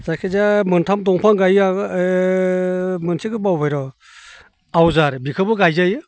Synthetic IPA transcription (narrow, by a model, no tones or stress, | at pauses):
zajkʰezamɯntʰamdɔŋpʰaŋɡaja | mɯnsʰikʰɯbawbajɾɔ | awzaɾbikʰɯbɯɡajzajɯ